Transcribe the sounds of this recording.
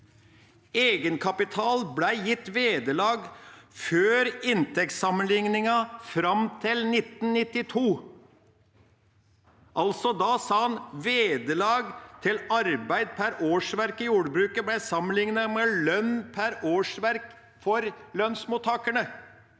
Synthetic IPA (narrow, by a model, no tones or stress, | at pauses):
eːɡənkʰɑpɪt̪ʰɑːlblæɪjɪt̪ːʋeːd̪əlɑːɡføːɾɪnt̪ʰɛk̚t̪sɑmənlɪŋnɪŋɑfɾɑmt̪ʰɪlnɪt̪n̩nɪt̪ːɪt̪ʰuː | ʔɑlsɔd̪ɑːsɑːɑnʋeːd̪əlɑːɡt̪ʰɪlɑɾbæɪd̪̚pʰæɾoːʂʋæɾkɪjuːɖbɾʉːkəblæɪsɑmːənlɪŋnɑmɛlœnpʰæɾoːʂʋæɾk | fɔɾlœnsmʊt̪ʰɑːkəɳə